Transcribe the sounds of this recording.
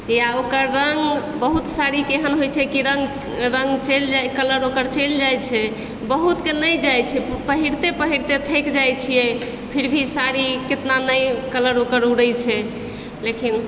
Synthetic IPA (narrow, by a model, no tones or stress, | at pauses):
jaokəɾːəŋɡbəɦut̪saɾikeɦənɦojt͡ʃʰɛkiɾəŋɡ | ɾə̃ŋɡt͡ʃeld͡ʒakələɾokəɾt͡ʃeld͡ʒajt͡ʃʰɛ | bəɦut̪kenəjd͡ʒajt͡ʃʰɛpəɦiɾt̪epəɦiɾt̪et̪ʰekd͡ʒajt͡ʃʰijɛ | pʰiɾbʱisaɾiket̪nanəjkələɾokəɾuɽəjt͡ʃʰɛ | lekin